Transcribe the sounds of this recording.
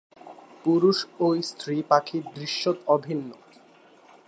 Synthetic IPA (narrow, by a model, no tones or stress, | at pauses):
puɾuʃojst̪ʰɾipakʰiɾd̪ɾiʃːot̪ɔbʱinːo